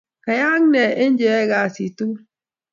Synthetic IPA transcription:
ka˨ja˦ŋ˦nɛ˨ʔe˦n˦d͡ʒɛ˨˦ɡa˨si˨tu˦

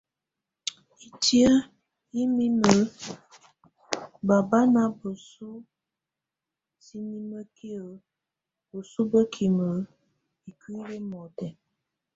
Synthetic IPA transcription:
i˨ti˦ə˦ | i˦mi˦mə˨˦ | ba˨ba˦na˦bə˨su˦ | si˦ni˦mə˦kʰi˦ə˨ | bə˨su˦bə˦kʰi˨mə˨˦ | i˨ki˦li˦mɔ˨tɛ˨

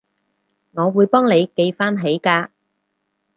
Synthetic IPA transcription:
ŋɔː˨˧wuː˨˧jpɔː˥ŋle˨˧jke˧jfaː˥nɦe˨˥jkaː˧

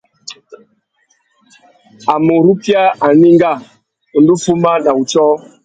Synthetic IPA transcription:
a˨mo˨ɾu˦pja˦a˨ni˦ŋɡa˦˨˦ | du˦fu˦ma˦na˨u˨t͡ʃɔ˦

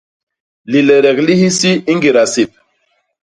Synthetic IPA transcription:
li˨lɛ˨ɾɛ˨kli˦hi˦si˦i˦ŋɡi˨ɾa˨si˨p̚

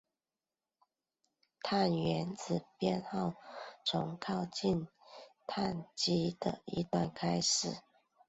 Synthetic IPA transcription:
t̪ʰa˥˩nɥɛ˧˥nt͡sɹ̩˨˩pjɛ˥˧nxɑ˥˩ʊt͡sʰʊ˧˥ŋkʰɑ˥˧ʊt͡ɕi˥˧nt̪ʰa˥˩nt͡ɕi˥d̪̥ə̰˨ḭ˧t̪wa˥˩nkʰa˥ɪʂɻ̩˨˩˦

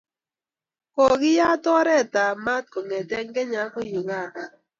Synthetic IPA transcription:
kɔ˨ɡɪ˦ja˦tɔ˦ɾɛ˦˨ta˨ma˦t̚kɔ˨ŋɛ˨tɛ˦ŋɡɛ˦ɲa˨˦ko˦ju˨ŋa˦˨ka˨

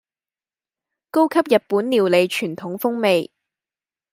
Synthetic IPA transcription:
ko˥wkʰɐ˥p̚jɐ˨t̚puː˨˥nliː˨˩wle˨˧jt͡ʃʰyː˨˩nt̪ʰʊ˨˥ŋfʊ˥ŋme˨j

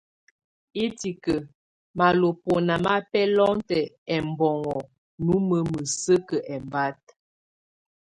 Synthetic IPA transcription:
i˦ti˨kə˨ | ma˨lo˨po˨na˨ma˦pɛ˦lɔ˦ŋtɛ˨ | ɛ˨mbɔ˨ŋɔ˨ | nu˨˦mə˦mə˨sə˦kə˨ʔɛ˨mba˦t̚

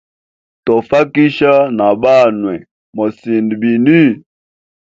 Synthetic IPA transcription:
tɔ˨fa˦ki˦ʃa˦na˨ɓa˦˨nwɛ˨ | mɔ˨si˨ndbi˨ni˦

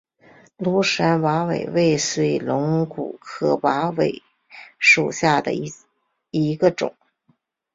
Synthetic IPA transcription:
lu˧˥ʂa˧˥nwa˧˥wḛ˨˩ɪwe˥˩ɪswe˧˥˩ɪlʊ˧˥ŋkṵ˨˩kʰɤ˥˩wa˧˥we˨˩ɪ | ʂu˨˩ɕja˥˩d̪ə̰˩ | i˧˥ɡə˧ʈ͡ʂʊ̰˨˩˦ŋ

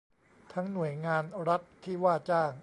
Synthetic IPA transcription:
t̪ʰa˦˥ŋnu˨˩əjŋaː˧nɾa˦˥t̪ʰːiː˥˩waː˥˩t͡ɕaː˥˩ŋ

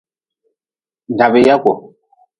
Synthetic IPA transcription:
n˨da˨be˨ja˦kʷɔ˨

